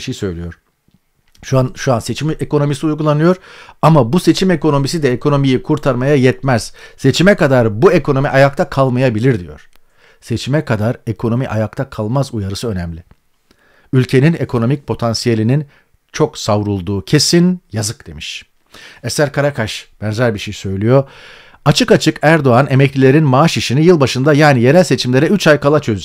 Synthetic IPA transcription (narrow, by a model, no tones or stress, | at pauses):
ʃejisø̞jlʲijo̞ɾ̥ | ʃuanʃuanse̞t͡ʃʰimeko̞no̞misiujɡulˠanɯjo̞ɾamabuse̞t͡ʃʰime̞ko̞no̞mis̬id̪ɛekʰo̞no̞mijikʰuɾt̪ʰaɾmajajɛt̪mɛz̥se̞t͡ʃʰimɛkad̪aɾbuekʰo̞no̞miʔajak̚t̪ʰakʰalˠmajabilʲiɾd̪ijo̞̰ɾ̥ | se̞t͡ʃʰimɛkʰad̪aɾekʰo̞no̞miʔa̰jakt̪ʰakʰalˠmazujaɾɯsɯø̞nɛmlʲɪ | ylʲcʰe̞ninekʰo̞no̞mic̚pʰo̞t̪ʰansije̞lʲinin | t͡ʃʰo̞ksavɾulˠd̪uːcʰe̞sinjazɯk̚d̪̥e̞miʃ | ɛsæɾkʰaɾakʰaʃb̥ɛnzæɾʲbiʃejsø̞jlʲyjo̞ | at͡ʃʰɯkat͡ʃʰɯkæɾd̪o̞ane̞mɛclʲilʲe̞ɾinmaaʃiʃinijɯlˠbaʃɯnd̪ajaːnije̞ɾælʲse̞t͡ʃʰimlʲe̞ɾɛyt͡ʃʰajkalˠat͡ʃʰø̞z